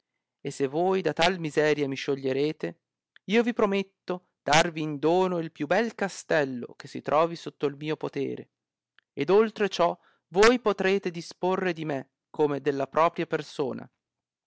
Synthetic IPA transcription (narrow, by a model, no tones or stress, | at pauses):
esːevːoːjd̪at̪almizɛːɾjamiʃːoʎːeɾeːt̪e | iːovipɾomet̪ːo | d̪̥arviːnd̪oːnoilpjubɛlkast̪ɛlːo̰k̟esːit̪ɾʔɔːvisot̪ːoilmiːopot̪ḛːɾḛ | ed̪olt̪ɾet͡ʃɔ | vojpot̪ɾeːt̪ed̪isporːed̪ime | kʰomed̪elːapɾʔɔːpɾjapersoːna̰